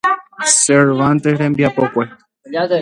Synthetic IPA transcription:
seɾʋãnt̪ehɾembjapokʷe

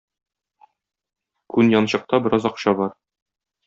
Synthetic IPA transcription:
kʉnjɒnɕɤ̆q̚t̪ɑbɘ̆ɾɑzɒqɕɑbɒɾ

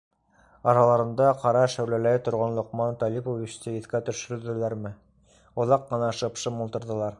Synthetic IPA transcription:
ɑɾɑlˠɑɾɤ̆nd̪ɑqɑɾɑʃæwlælæt̪ŏɾʁɑnlˠŏqmɑnt̪ɒlʲipovʲit͡ɕt̪ɤiθkæt̪ɵ̆ʃɵ̆ɾɘ̆ðɘ̆læɾmɘ | ŏðɑqːɤ̆nɑʃɤ̆pʃɤmolˠt̪ɤ̆ɾðɤ̆lˠɑɾ

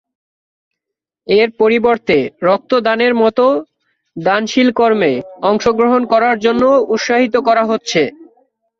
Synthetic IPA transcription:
eɾpoɾiboɾt̪eɾɔk̚t̪od̪aneɾmɔt̪o | d̪anʃilkɔɾmeɔŋʃoɡɾoɦonkɔɾaɾd͡ʑonːout̪ʃaɦit̪̬okɔɾaɦotːɕʰe

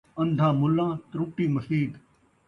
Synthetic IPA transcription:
ə̃nd̪ʱãːmʊlːãːt̪ɾuːʈiːməsiːɡ

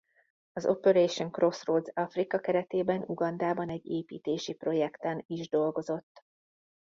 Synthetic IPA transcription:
ɒzo̞̰poɾejʃoŋkro̞sroːld̪zɒfrikɒkɛɾɛt̪eːbɛnuɡɒnd̪aːbɒnɛɟːeːpḭːt̪eːʃipro̞jɛkt̪ɛniʒd̪o̞lɡo̞zo̞t̪ː

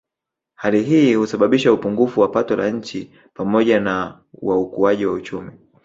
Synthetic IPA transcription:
haliɦiːhusaɓaɓiʃaupuŋɡufuwapatɔlaɲ̩t͡ʃi | pamɔʄana | waukuaʄiwaut͡ʃumi

